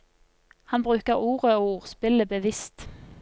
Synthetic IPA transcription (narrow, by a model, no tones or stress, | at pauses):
hɑnbʁʉːkəʁuːʁəoːuːʁspɪləbəʋɪst̪